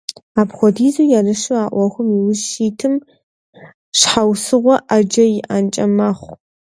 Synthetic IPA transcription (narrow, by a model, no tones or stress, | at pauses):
aːbxʷɔdiːzujaːrɨʂɨaːʔʷɔxʷʊmiwʊzʃiːtʰɨm | ʂħawsɨʁʷɔʔad͡ʒɐjɪʔant͡ʃʼɐmaχʷ